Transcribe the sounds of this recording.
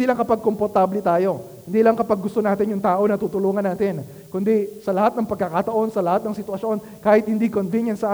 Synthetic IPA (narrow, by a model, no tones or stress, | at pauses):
diːlɐŋkɐpaɡ̚kompoɾt̪aːblɛt̪aːjo̞ | hɪnd̪iːlɐŋkɐpaɡːʊst̪o̞naːt̪ɪnjʊŋt̪aːʔo̞nɐt̪uːt̪ʊloːŋɐnːaːt̪ɪn | kʊnd̪isɐlɐhat̪̚nɐŋpɐɡ̚kɐkat̪ɐʔo̞nsɐlɐhat̪̚nɐŋsɪt̪wɐʃo̞n | kaːhɪt̪̚hɪnd̪ikonvinjɐnsɐʔa